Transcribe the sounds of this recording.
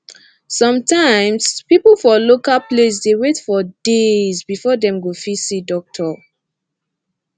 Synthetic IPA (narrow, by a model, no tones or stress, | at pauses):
sɔ̃mtãɪ̃mspipəlfɔlokalples̬dewetfɔdezbifɔdɛ̃mɡofisidɔk̚tʰɔ